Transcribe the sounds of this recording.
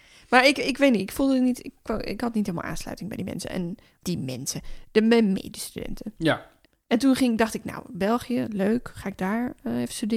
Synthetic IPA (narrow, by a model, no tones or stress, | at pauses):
maɹɪkɪkʋetnitɪkfulˠdətnitɪkɪ̰khɔtnithelˠm̰ˠʔa̰ːnslœ̰ɥtɪŋbɛ̰jdimɛ̰nsə̰ɛ̰n | d̥imɛ̰nsəd̥əmɛjmḛːdəstydɛ̰ntə | ɛntunχɪŋ̚dɔxtɪkna̰wbɛlˠχijəløːkχaːɪɡ̚daːɹefə̥stydɪ